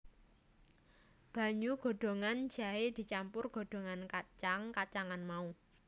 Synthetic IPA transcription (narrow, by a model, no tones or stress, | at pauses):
b̥ä̤ɲuɡ̥o̤ɖ̥o̤ŋand͡ʒ̥a̤ed̪̥i̤t͡ʃampʊrɡ̥o̤ɖ̥o̤ŋankat͡ʃaŋkat͡ʃaŋanmau